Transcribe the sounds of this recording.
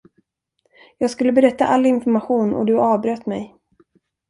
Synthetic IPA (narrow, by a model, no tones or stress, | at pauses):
jɑːɡskɵlːəbɛɾɛt̪ːaʔalːɪnfɔɾmaɧuːnɔ̰d̪ɵɑːvbɾøːt̪mɛj